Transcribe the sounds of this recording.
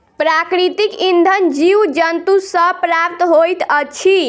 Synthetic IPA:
pɾakɾit̪ikind̪ʱənd͡ʒiwd͡ʒənt̪usəpɾap̚t̪ɦojt̪ət͡ʃʰi

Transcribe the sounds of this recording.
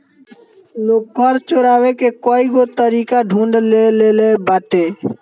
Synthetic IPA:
loːkkəɾt͡ʃoːɾaːʋekekoːiɡoːt̪əɾiːkaɖʱũːɳɖleleːlebaːʈeː

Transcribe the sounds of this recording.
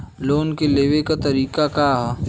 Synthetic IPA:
loːnkeleːʋekat̪ɐɾiːkakaːɦ

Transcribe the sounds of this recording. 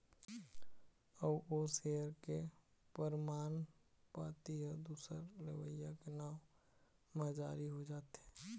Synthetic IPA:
əboseɦəɾke | pəɾmaːn | paːt̪iɦəd̪uːsəɾɾəʋəjakenaːm | məd͡ʒaːɾiɦod͡ʒaːt̪ɛː

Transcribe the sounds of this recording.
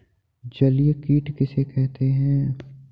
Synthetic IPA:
d͡ʒɐlijkiːʈkɪsekɛɦt̪eɦɛ̃

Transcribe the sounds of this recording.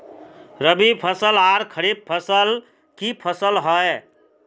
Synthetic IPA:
ɾəbipʰəsəlaɾkʰəɾib̚pʰəsəl | kipʰəsəlɦɔe

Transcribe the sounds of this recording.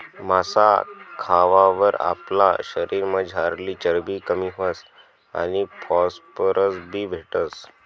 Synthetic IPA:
masakʰaʋaʋəɾa̰pla̰ɕəɾiːɾməd͡ʑʱaɾliːt͡ɕəɾbiːkəmiːɦəs | a̰nipʰɔspəɾʔəsbʱiːbʱeʈəs

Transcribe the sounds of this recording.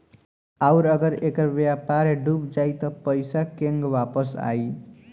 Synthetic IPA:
aʊɾəɡəɾekəɾʋjapaɾeɖubd͡ʒait̪ɔpəɪsakeŋɡʋapəsa̰i

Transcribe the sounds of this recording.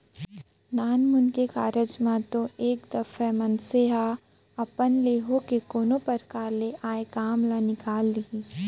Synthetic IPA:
naːnmʊnkekaːɾəd͡ʒmãt̪õeːkd̪ɐfɛmɐnseɦa | ɐpənleːɦokekoːnopɐɾkaːɾleʔaːekaːmlanɪkaːlːiiː

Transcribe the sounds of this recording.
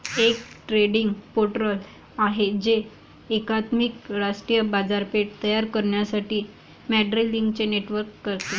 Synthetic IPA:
ek̚ | ʈɾeɽiŋɡpoʈɾəl | aɦed͡ʑeː | kat̪mikɾaʂʈɾijəbad͡zaɾpeʈ̚t̪əjaɾkəɾɳjasaʈiː | mæɖɾiliŋɡt͡ɕeneʈʋəɾkːəɾt̪e

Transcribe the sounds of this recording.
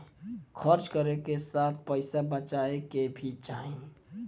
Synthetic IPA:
kʰəɾt͡ʃkəɾekesaːt̪ʰpəɪsabət͡ʃaekebʱit͡ʃaːɦĩ

